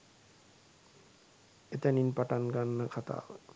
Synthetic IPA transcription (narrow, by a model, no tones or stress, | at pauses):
et̪aninpaʈanɡanːakʰat̪a̰ːl